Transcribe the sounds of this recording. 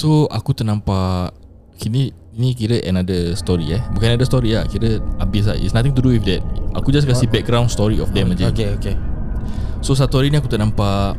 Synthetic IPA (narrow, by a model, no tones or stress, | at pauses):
soakut̪əʔnãmpaʔ | kini | inĩkiɾəʔənadəst̪ɔɾiɛhbukãnnadəst̪ɔɾiakiɾəabɪs̬a̰itsnãt̪ɪ̃ŋt̪uduwifdɛt̚a̰kud͡ʒas̬kasibɛk̚ɡɾãw̃nst̪ɔɾiɔ̰fdɛ̃mad͡ʒɛkeoke | sos̬at̪uaɾinĩakut̪əʔnãmpaʔ